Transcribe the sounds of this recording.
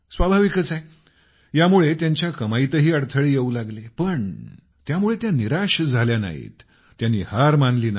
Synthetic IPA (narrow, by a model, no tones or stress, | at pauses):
sʋabʱaʋikət͡sae | jamuɭet̪jaɲt͡ɕjakəmait̪əɦiːəɽt̪ʰəɭejeuːlaɡlepəɳ | t̪jamuɭet̪janiɾaʂd͡zʱaljana̰ɦḭːt̪ː | janːiːhaɾmanliːna